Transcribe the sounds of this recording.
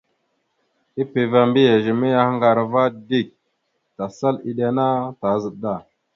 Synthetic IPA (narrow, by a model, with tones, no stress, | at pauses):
i˦pe˨va˨mbi˦ja˨ʒi˨mi˦ja˦hŋɡa˨ɾa˨va˦di˦˨k̚ | ta˨sa˦li˨ɗa˦na˦ta˨˦zə˨ɗda˦˨